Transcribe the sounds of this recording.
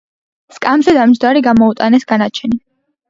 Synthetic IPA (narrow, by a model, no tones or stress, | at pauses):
skʼamzɛd̪amd͡ʒd̪aɾiɡamɔut̪ʼanɛsɡanat͡ʃʰɛni